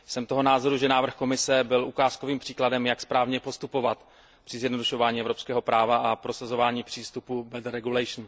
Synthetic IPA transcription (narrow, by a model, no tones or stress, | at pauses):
sɛmt̪oɦo̞naːzo̞ɾuʒɛnaːvr̩xko̞mɪsɛbɪlʔukaːsko̞viːmpr̝̥iːkladɛmjakspɾaːvɲɛpo̞st̪upo̞vat̪ | pr̝̥ɪzjɛdno̞duʃo̞vaːɲiːɛvɾopskɛːɦo̞pɾaːvaʔapɾo̞sazo̞vaːɲiːpr̥iːst̪upubɛd̪ɾɛɡulɛʃn